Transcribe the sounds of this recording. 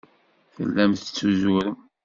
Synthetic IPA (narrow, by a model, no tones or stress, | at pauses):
θə̰lːæmθət͡sːuzuɾə